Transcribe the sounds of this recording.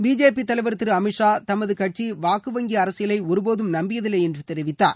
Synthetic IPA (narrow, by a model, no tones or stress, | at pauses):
biːd͡ʒeːpit̪ːɐlɐɪʋɐɾɯt̪ːɪɾɯɐmɪʈʂaːt̪ɐmɐðɯkɐʈt͡ʃiʋaːkɯʋɐŋɡiɐɾɐsɪjɐɭɐɪɔɾɯboːðɯmnɐmbɪjɐðɪlːɐɛndrɯt̪ɛɾɪʋɪt̪ːa̰ːɾ